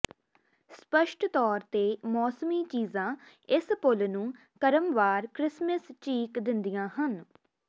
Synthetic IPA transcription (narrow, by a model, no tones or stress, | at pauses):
spəʃʈʰt̪ɔːɾt̪eːmɔːsəmiːt͡ʃiːzãː | ɪspʊlnũː | kəɾəmʋaːɾkɾɪsməst͡ʃiːkd̪ɪnd̪ijãːɦən